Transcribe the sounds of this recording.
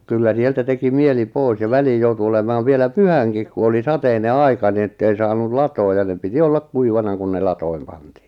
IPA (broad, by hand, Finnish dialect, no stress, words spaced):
kylːæ sieltæ teki mieli poˑis jɑ ʋæliːj joutu olemɑːʋ ʋielæ pyhæŋkik ku oli sɑteine ɑikɑ ni etːei sɑːnul lɑtoːj jɑ ne piti olːɑk kuiʋɑnɑ kun ne lɑtoim pɑntiː